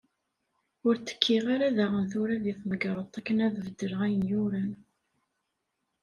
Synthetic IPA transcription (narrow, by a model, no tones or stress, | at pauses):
ʊɾt͡sːə̥kʰːiʁaɾaðæʁənθʊɾæðiθməɡɾˤət̪ˤːækːənæðvəd̪ːəɾəʁæjənjʊɾæn